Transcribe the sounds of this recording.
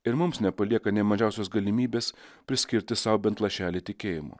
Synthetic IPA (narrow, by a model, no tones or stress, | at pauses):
ɪɾmʊmsnʲɛpɐlʲiɛkɐnʲɛɪmɐʒʲɛˑʊsʲoːsɡɐlʲɪmʲiːbʲeːspʲɾʲɪsʲkʲɪɾʲt̪ʲɪsɐʊbʲɛnt̪lˠɐʃʲæːlʲɪt̪ʲɪkʲeːjɪmʊ̰ː